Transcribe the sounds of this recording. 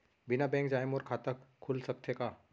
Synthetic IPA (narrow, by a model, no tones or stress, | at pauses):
bɪnabɛ̃ːŋkd͡ʒaːjmɔːɾkʰaːt̪akʰːʊlsɐk̚t̪ʰekaː